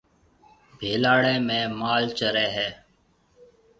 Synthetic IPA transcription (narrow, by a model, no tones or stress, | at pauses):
bʱeːlaːɽẽːmẽːmaːlt͡ʃəɾeːɦɛː